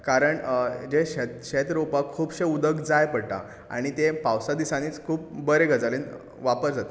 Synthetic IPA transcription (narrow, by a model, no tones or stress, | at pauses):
kaɾəɳd͡ʑeɕet̪ɕet̪ɾopakʰuːbɕeud̪əɡd͡zajpəɽʈa̰ | a̰ɽ̃it̪epawsad̪isaniːt͡skʰuːp̚bəɾeɡʱəd͡zalen | ʋapəɾd͡zat̪e